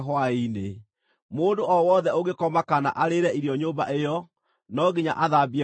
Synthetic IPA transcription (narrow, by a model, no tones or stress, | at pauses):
ɦwaine | moːndoʔɔwɔːðɛoɣekɔmakana̰ʔaɾeɾɛiɾiɔɲoːba̰ʔejɔ | nɔɣiɲa̰ʔaðabiɛ